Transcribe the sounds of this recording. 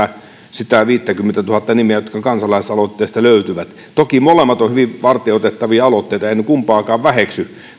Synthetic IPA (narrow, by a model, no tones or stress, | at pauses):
æ | sit̪æʋiːt̪ːækymːent̪æt̪uhɑt̪ːɑnimeæjot̪kɑkɑnsɑlɑˑisɑlot̪ːeˑist̪ɑløˑyt̪yʋæt̪ | t̪okimolemːɑt̪ohyʋiʋʋɑrt̪ˑeːot̪et̪ːɑʋiɑɑlot̪ːeˑit̪ɑeˑinykumpɑːkɑːʋʋæheksy